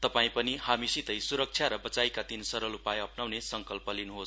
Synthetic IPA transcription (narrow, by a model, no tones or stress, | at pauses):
t̪ʌpaĩpʌniɦamisit̪ʌjsuɾʌk̚t͡sʰjaɾʌbʌt͡sajkat̪insʌɾʌlupajʌpnawnesʌŋkʌlpʌlinuɦo